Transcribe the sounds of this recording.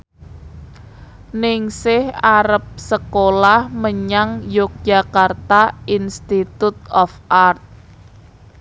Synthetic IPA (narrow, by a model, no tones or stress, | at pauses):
nɪŋsɪhaɾəp̚səkolahməɲaŋjʊk̚d̥ʒ̥a̤kart̪ainst̪it̪ut̪̚ɔfʔart̪̚